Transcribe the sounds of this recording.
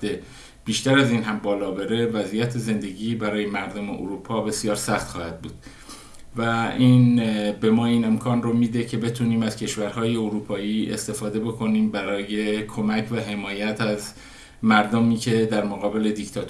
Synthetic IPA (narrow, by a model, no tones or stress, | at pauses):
d̪e | b̥iːʃt̪æɾæziːnɦæmbɒːlɒːbeɾe̞væzijæt̪ʰeze̞nd̪e̞ɟiːbæɾɒːje̞mæɾd̪omeʔo̰ɾupʰɒːbe̞sijɒːɾsæxt̪xɒːhæd̪̥̚buːd̪̥ | væiːnbe̞mɒːiːne̞mkʰɒːnromiːd̪e̞cʰe̞be̞t̪ʰuːniːmæz̥cʰe̞ʃvæɾhɒːje̞oɾuːpʰɒːiːḛst̪e̞fɒːd̪e̞bo̞kʰo̞niːmbæɾɒːje̞kʰo̞mæcʰvæɦe̞mɒːjæt̪ʰæz | mæɾd̪omiːcʰe̞d̪æɾmoɣɒːbe̞le̞d̪ict̪ʰɒt̪